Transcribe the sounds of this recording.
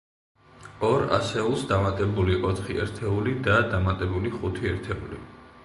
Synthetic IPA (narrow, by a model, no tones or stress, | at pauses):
ɔɾa̰sɛulˠsd̪amat̪ʼɛbuliʔɔt̪ʰχiɛ̰ɾt̪ʰɛulid̪ad̪amat̪ʼɛbuliχut̪ʰiɛɾt̪ʰɛṵlḭ